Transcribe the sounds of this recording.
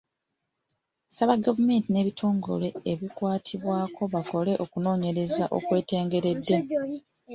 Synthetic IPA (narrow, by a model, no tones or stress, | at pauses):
saβaɡavume̞ːntine̞ːβitʰo̞ːŋɡo̞̰le̞eβikwaːtʰiβwaːko̞βako̞le̞ʔo̞kuno̞ːɲe̞ɾe̞zaʔo̞̰kwe̞ːte̞ːŋɡe̞ɾe̞dːe̞